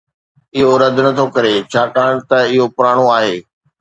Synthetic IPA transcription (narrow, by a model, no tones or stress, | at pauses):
ɪɦoɾɐd̪ʱnɐt̪ʰokɐɾet͡ɕʰaːkaːɽ̃t̪ɐɪɦopʊɾaːɽ̃oaːɦeː